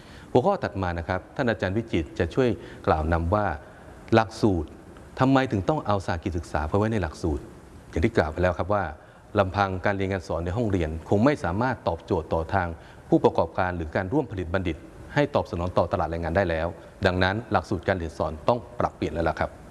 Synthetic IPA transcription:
pʰu˧˥˦kʰɔː˥˩t̪a˨˩t̪̚maː˧na˦˥kʰɾa˦˥p̚t̪ʰaː˥˩nʔaː˧t͡ɕaː˧nwi˦˥t͡ɕi˨˩t̪̚t͡ɕa˨˩t͡ɕʰu˥˩əjklaː˨˩wna˧mwaː˥˩ | la˨˩k̚suː˨˩t̪̚ʰː | a˧mːa˧jt̪ʰɯ˨˩˦ŋt̪ɔ˥˩ŋʔa˧wsaː˨˩kiː˨˩sɯ˨˩k̚saː˩˦pʰɔː˧wa˦˥jna˧jla˨˩k̚suː˨˩t̪̚ | ja˨˩ŋi˥˩klaː˨˩wpa˧jlɛː˦˥wkʰa˦˥p̬̚waː˥˩ | la˧mpʰa˧ŋkaː˧nɾiː˧əŋaː˧nsɔː˩˦nːa˧jɦɔ˥˩ŋɾi˧ənkʰo˧ŋma˥˩jsaː˩˦maː˥˩t̪ːɔː˨˩p̚t͡ɕoː˨˩t̪ːɔː˨˩t̪ʰaː˧ŋ | pʰuː˥˩pɾa˧kɔː˨˩p̚kaː˧nɾɯː˩˦kaː˧nɾu˥˩əmpʰa˧li˨˩t̪̚ba˧ndi˨˩t̪̚ha˥˩jt̪ɔː˨˩p̚sa˧nɔː˩˦nt̪ɔː˨˩t̪a˧laː˨˩t̪̚ɾaː˧ŋaː˧daː˥˩jlɛː˦˥w | da˧ŋna˦˥nla˨˩k̚suː˨˩t̪̚kaː˧nli˨˩ənsɔː˩˦nt̪ɔ˥˩ŋpɾa˨˩pːli˨˩ənlːla˦˥˩kʰa˦˥p̚

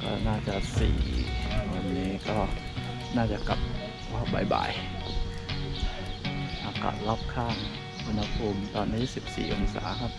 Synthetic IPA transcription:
kɔ̰ː˥˩naː˥˩t͡ɕa˨˩sḭː˨˩wa˧nːiː˦˥kɔː˥˩ | naː˥˩t͡ɕa˨˩ka̰˨˩p̚ | pɔː˥˩p̚baː˨˩jba̰ː˨˩˦j | ʔaː˧˩ka̰˨˩t̚la˦˥˩p̚kʰaː˥˩ŋ | ʔu˧nha˧pʰuː˧mt̪ɔː˧nːiː˦˥si˨˩p̚sḭː˨˩ʔo˧nsa̰ː˩˦kʰa˦˥˩p̚

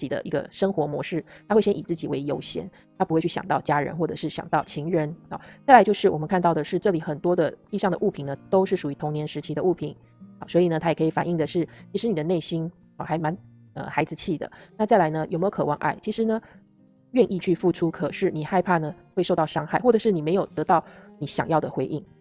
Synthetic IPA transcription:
t͡ɕi˨˩d̪ə̰˦ʔḭ˧˥ɡə̰˧ʂɤ˥ŋxwɔ˧˥mwɔ̰˧˥ʂɻ̩˥˩t̪ʰa˥xe˥˩ɪɕjɛ˥ʔi˨˩t͡sɹ̩˥˩t͡ɕi˨˩we˧˥ɪjo˧˥ʊɕjɛ̰˧˥n | t̪ʰa˥pu˧˥xwɪt͡ɕʰy˥˩ɕjɑ̰˨˩ŋt̪ɑ˥˩ʊt͡ɕja˥ɻə̰˧˥nxwɔ˥˩ʈ͡ʂɤ˨˩ʂɻ̩˥˩ɕjɑ̰˨˩ŋt̪ɑ˥˩ʊt͡ɕʰi˧˥ŋɻə˧˥nɑ̰˨˧˦t͡sa˥˩ɪla˧˥ɪjo˥˧ʊʂɻ̩˥˩wɔ˨˩mə˦nkʰnt̪ɑ˥˩ʊd̪ə˩ʂɻ̩˥˧ʈ͡ʂɤ˥˩li˨˩xə˨˩nt̪wɔ˥d̪ə˨t̪i˥˧ʂɑ˥˩ŋd̪ə̰˩ʔu˥˩pʰi˨˩nnə˦t̪o˥ʊʂɻ̩˥˩ʂu˨˩y˧˥t̪ʰʊ˧˥ŋnjɛ˧˥nʂɻ̩˧˥t͡ɕʰi˥d̪ə˧u˥˩pʰḭ˨˩˦n | ɑ˧˦swɔ˧˥i˨˩nə˦t̪ʰa˥jɛ˨˩kʰɤ˧˥i˨˩fa̰˨˩ni˥˩ŋd̪ə˩ʂɻ̩˥˩t͡ɕʰi˧˥ʂɻ̩˧˥ni˨d̪ə˦ne˥˩ɪɕi˥n | ɑ˧˩xa˧˥ɪma˧˦n | ə̰˧xa˧˥ɪd͡zɹ̩˧t͡ɕʰi˥˩d̪ə̰˩na˥˧t͡sa˥˩ɪla˧˥ɪnə˧jo˨˩me˧˥jo˧˥ɤ˨˩wɑ̰˥˧ŋʔa̰˥˩ɪt͡ɕʰi˧˥ʂɻ̩˧˥nə˧ | ɥɛ˥˧nʔi˥˧t͡ɕʰy˥˧fu˥˧ʈ͡ʂʰu˥kʰɤ˨˩ʂɻ̩˥˩ni˨˩xa˥˧ɪpʰa˥˩nə˩xwe˥˧ɪʂo˥˧ʊt̪ɑ˥˩ʊʂɑ˥ŋxa˥˩ɪxwɔ˥˩ʈ͡ʂɤ˨˩ʂɻ̩˥˩ni˨˩me˧˥ɪjo˨˩ʊt̪ɤ˧˥t̪ɑ˥˩ʊni˧˥ɕjɑ̰˨˩ŋjɑ˥˩ʊd̪ə˩xwe˧˥ɪʔi˥˩ŋ

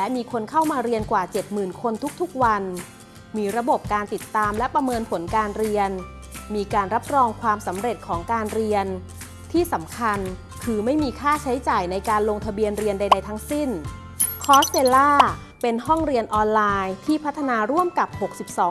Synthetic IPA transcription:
lɛ˦˥ʔmiː˧kʰo˧nkʰa˥˩wmaː˧ɾi˧ənkwaː˨˩t͡ɕe˨˩t̪̚mɯː˨˩nkʰo˧nt̪ʰu˦˥k̚t̪ʰu˦˥k̚wa˧n | miː˧ɾa˧bo˨˩p̚kaː˧nt̪i˨˩t̪ːaː˧mlɛ˦˥pɾa˧mɤː˧npʰo˩˦nkaː˧nɾi˧ən | miː˧kaː˧nɾa˦˥p̚ɾɔː˧ŋkʰwaː˧msa˩˦mɾe˨˩t̪̚kʰɔː˩˦ŋkaː˧nɾi˧ən | t̪ʰiː˥˩sa˩˦mkʰa˧n | kʰɯː˧ma˥˩jmiː˧kʰaː˥˩t͡ɕʰa˦˥jt͡ɕaː˨˩jna˧jkaː˧nloː˧ŋt̪ʰa˧bi˧ənɾi˧ənda˧jda˧jt̪ʰa˦˥ŋsi˥˩n | kʰɔː˦˥st̪eː˧laː˥˩ | pe˧nɦɔ˥˩ŋɾi˧ənʔɔː˧nlaː˧jt̪ʰiː˥˩pʰa˦˥t̪ʰːa˧naː˧ɾu˥˩əmka˨˩p̚ho˨˩k̚si˨˩p̚sɔː˩˦

